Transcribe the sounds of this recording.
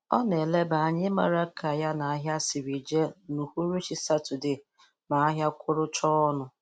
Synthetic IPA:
ɔ˦ne˨le˦ba˨a˨ɲɪ˦ma̰˨ɾa˦kʰa˨ja˦na˨a˦ɦja˦si˨ɾi˨d͡ʒe˦nu˨hu˦ɾu˦t͡ʃi˨sa˦tʊ˨dɪ˨ | ma˨a˦ɦja˦kʷʰʊ˦ɾʊ˦t͡ʃɔ˦ɔ˦nʊ˨

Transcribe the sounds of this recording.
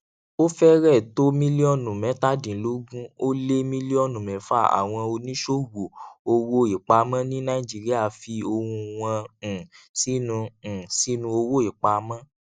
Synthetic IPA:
o˦fɛ˦ɾɛ˦˨to˦mĩ˦li˦ɔ˦˨nũ˨mɛ̃˨˦ta˦˨dĩ˨lo˨˦ɡũ˦o˦le˦mĩ˦li˦ɔ˦˨nũ˨mɛ̃˨˦fa˦˨a̰˨w̃ɔ̃˧o˧nĩ˦ʃo˦wo˨o˧wo˦i˨k͡pa˧mã˦nĩ˦nã˦i˦˨d͡ʒi˦ɾi˦a˦˨fi˧o˧wũ˧w̃ã˧˨ | si˦nũ˧˨si˦nũ˧o˧wo˦i˨k͡pa˧mã˦

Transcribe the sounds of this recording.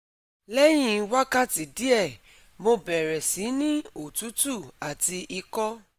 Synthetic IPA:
lɛ˦j̃ĩ˦˨˧wa˦ka˦ti˨di˦ɛ˦˨ | mo˧bɛ˨ɾɛ˨si˨˦nĩ˦o˦˨tu˨˦tu˦˨a˨ti˧ʔi˧kɔ˦

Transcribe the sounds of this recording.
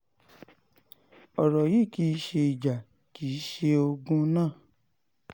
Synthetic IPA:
ɔ˨ɾɔ˨ji˦˨ki˦ʃe˧i˨d͡ʒa˨ | ki˨˦ʃe˧o˧ɡũ˧˦nãː˦˨

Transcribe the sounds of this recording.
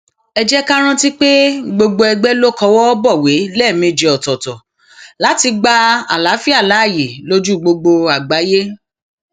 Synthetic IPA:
ɛ˧d͡ʒɛ˦ka˦ɾ̃ã˦ti˦k͡pe˦ɡ͡bo˧ɡ͡bo˧ɛ˧ɡ͡bɛ˦lo˦kɔ̃˧˦wɔ˦bɔ˦˨we˨˦lɛ˦˨mĩ˧d͡ʒe˧ɔ˨tɔ˨tɔ˨ | la˨˦ti˧ɡ͡ba˦a̰˨la˨˦fi˦a˦˨la˨˦˨je˨lo˦d͡ʒu˦˨ɡ͡bo˧ɡ͡bo˧a˨ɡ͡ba˨˦je˦

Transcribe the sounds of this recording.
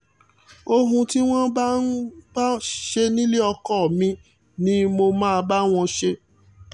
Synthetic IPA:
o˧ɦũ˧ti˦w̃ɔ̃˦ba˦n̩˦ba˦ʃe˧nĩ˦le˦ɔ˧kɔ˦˨mĩ˧ | nĩ˦mo˧mãː˦˧ba˦w̃ɔ̃˧ʃe˧

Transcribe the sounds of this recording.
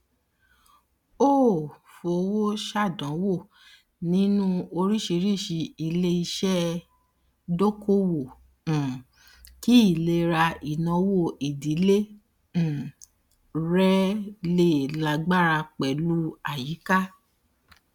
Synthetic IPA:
o˦˨ | fo˨˦wo˦ʃa˦˨dɔ̃˨˦wo˦˨ | nĩ˦nũ˦o˧ɾi˦ʃi˧ɾi˦˨ʃi˧i˧le˧i˧ʃɛ˦ | do˦ko˦wõ˨ | ki˦i˦˨le˧˦ɾa˧i˨nã˧˦wo˦˨ʔi˨di˨˦lẽ˦˨ | ɾɛ˦le˦˨la˨˧ɡ͡ba˦˨ɾa˧k͡pɛ˨lu˦a˦˨ji˨˦ka˦

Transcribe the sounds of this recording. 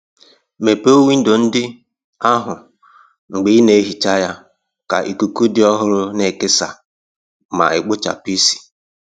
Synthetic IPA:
me˨po˦wi˦n̩˦do˨n̩˦dɪ˦ | a˦ɦʊ˨ | ŋ͡m̩˨ɡ͡bɪ˨˦ne˨˦ɦi˨t͡ʃa˦ja˦ | ka̰˨ʔi˨ku˨ku˦dɪ˦ɔ˦ɦʊ˦ɾʊ˦ne˨kɪ˦sa̰˨ | ma̰˨ɪ˨ɡ͡bʊ˦t͡ʃa̰˨pi˦si̥˨

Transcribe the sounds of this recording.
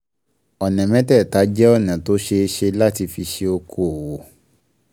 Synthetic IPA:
ɔ˨nɛ̃˨mɛ̃˨˦tɛ˦˨ta˨˦d͡ʒɛ˦ɔ˦˨nã˨to˦ʃe˧e˧ʃe˧la˦ti˧fi˧ʃe˧o˧kʰo˦˨wo˨˦

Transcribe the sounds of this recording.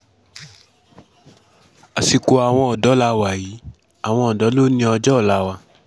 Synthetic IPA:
a˨si˨˧ko˧a˨w̃ɔ̃˧ɔ˨dɔ˨˦la˧wa˨ji˨˦ | a˨w̃ɔ̃˧ɔ˨dɔ˨˦lo˦nĩ˧ɔ˧d͡ʒɔ˦˨la˧˦wa˧

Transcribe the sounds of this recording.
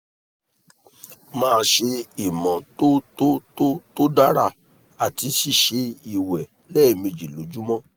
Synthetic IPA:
mãː˧ʃe˧i˨mɔ̃˨to˦to˦to˦to˦da˦ɾa˧˨ | a˨ti˨˧ʃi˦˨ʃe˧i˨wɛ˨ | lɛ˦i˨mĩ˧d͡ʒi˨lo˨˦d͡ʒu˦mɔ̃˦

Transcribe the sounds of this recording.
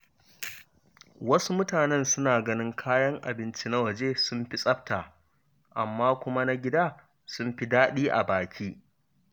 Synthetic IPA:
wɐ˦su˦mʊ˦taː˨nɛ˦nsʊ˦naː˨ɡɐ˦nɪ˦ŋkʰaː˦jɐ˦ŋʔa˨bɪ˦nt͡ʃi˦na˦wɐ˨d͡ʒeː˦sʊ˦mɸi˦sʼɐ˦b̚taː˨ | ʔa˨mːaː˦kʷʊ˦ma˦na˦ɡʲɪ˦daː˦˨ | sʊ˦mɸi˦daː˦ɗiː˦ʔa̰˨baː˨kʲʰiː˦

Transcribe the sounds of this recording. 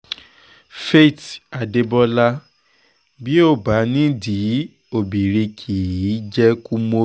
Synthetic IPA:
fe˦˨ta˨de˧bɔ˧la˦ | bi˦o˦˨ba˨˦nĩ˦di˨˦ | o˨bi˨ɾi˧kʰi˨ji˨˦d͡ʒɛ˦ku˦mo˧

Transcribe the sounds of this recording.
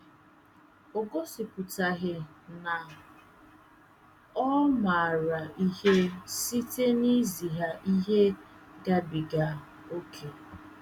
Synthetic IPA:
o˨ɡo˦sɪ˨pʊ˨ta˨ɣɪ˨na˨ | ɔ˦ma˨ɾa˨i˦he˦si˦te˦ni˦zi˨ɦa˨ʔi˦ɦe˦ɡa˦bi˨ɡa˨ | o˦kʰe˨

